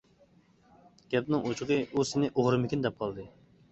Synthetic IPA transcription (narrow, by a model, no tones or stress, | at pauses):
ɡʲɛpnɪŋot͡ʃʰʊʁɨusɪnɪʔoʁɾɨmɪkʲind̪ɛp̚qʰɑlˠd̪ɨ